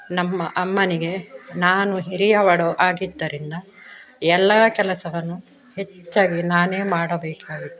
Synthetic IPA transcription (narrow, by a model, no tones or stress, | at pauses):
nɐmːɐʔɐmːɐniɡe̞naːnuɦiɾijɐʋɐɽoʔaːɡid̪ːɐɾind̪ɐɛlːɐːkɛlɐsɐʋɐnːu | he̞t͡ʃːaːɡinaːneːmaːɽɐbeːkaːɡit̪ːe